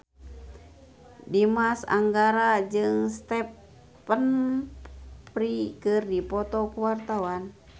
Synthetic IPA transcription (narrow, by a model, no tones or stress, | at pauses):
dimasa̰ŋɡaɾad͡ʒɨŋst̪ɛpː | ən | pɾikɨrdipɔt̪ɔkuwart̪awan